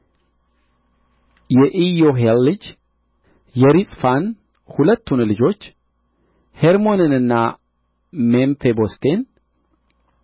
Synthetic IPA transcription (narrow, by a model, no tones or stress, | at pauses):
jɛʔijo̞ɦelːɨd͡ʒ | jɛɾisʼfan | hulət̪ːunlɨd͡ʒo̞t͡ʃː | heɾmo̞nɨnɨnːa | memfebo̞st̪ʰe̞n